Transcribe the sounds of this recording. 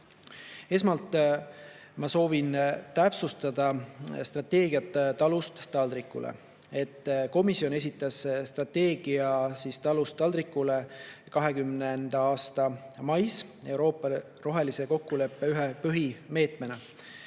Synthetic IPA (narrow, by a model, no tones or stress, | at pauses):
e̞smɑlt̪ˑ | mɑso̞ːvint̪æpsust̪ɑd̪̥ɑst̪rɑt̪e̞ːɡiɑt̪t̪ːɑlust̪ːɑld̪rikːˑṵlʔḛ | e̞t̪ːko̞misio̞ne̞s̬ʲit̪ːˑɑsst̪rɑt̪ːe̞ːɡ̥iɑsiːst̪ɑlust̪ːˑɑld̪ɾikːˑule̞kɑɦe̞kymnend̪̥ɑɑːst̪ɑmɑjse̞wɾo̞ːpːˑɑ | ro̞ɦe̞lise̞ko̞kːule̞pːe̞yɦepøɦime̞ːt̪ˑme̞nɑ